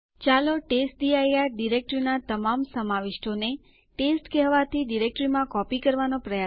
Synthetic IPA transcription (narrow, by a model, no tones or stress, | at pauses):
t͡ʃaloʈesʈ̚ɖiajaɾɖiɾek̚ʈɾinat̪əmamsəmaʋɪʃʈone | ʈesʈkɛɦʋat̪ʰiɖiɾek̚ʈɾimãkɔpikəɾʋanopɾəja